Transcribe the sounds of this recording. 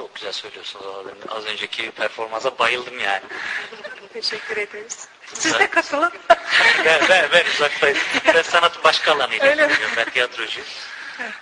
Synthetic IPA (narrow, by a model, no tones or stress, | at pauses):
t͡ʃʰo̞k̚ɟyzælʲsøjlʲijo̞ɾsunzaad̪inʔa̰zø̞nd͡ʒɛcʰipʰæɾfo̞ɾmansabajɯlˠd̪ɯmjaːnɪuut̪ʰeʃɛkʰʲːyɾed̪eɾiz̥ | suizadɛkʰat̪ʰɯlˠɯmbɛbɛbɛnuzak̚sajɯzbɛnsanat̪ʰɯmbaʃkʰaːlˠanɯjøjlʲeijoɾbɛnt̪ʰijat̪ɾo̞ʒy